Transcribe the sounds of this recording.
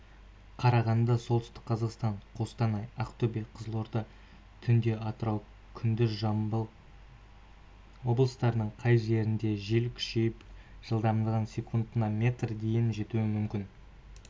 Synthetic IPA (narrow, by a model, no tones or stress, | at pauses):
qʰɑɾɑʁɑnd̪ɑso̞lˠt̪ʏst̪ɪ̥k̚qʰɑzɑqst̪ɑɴqʰo̞st̪ɑnɑjaqt̪obeqʰəzlˠoɾd̪ə | t̪ʰʏnd̪e̞ʔɑt̪əɾɑw | kʲʰʏnd̪ɪzʒɑm | wo̞blˠəst̪ɑɾənəɴqʰɑjʒe̞ɾɪnd̪e̞ʒelkʲʰʏ̥ʃe̞jɪpʒ̥əlˠd̪ɑmnd̪əʁɑnsʲe̞kʰund̪ənɑmʲe̞t̪rd̪e̞jɪnʒe̞t̪uwɪmʏmkʲɪn